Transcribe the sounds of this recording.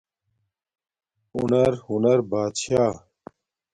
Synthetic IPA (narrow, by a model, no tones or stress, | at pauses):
unɐɾhunɐɾbaːd̪ɕaː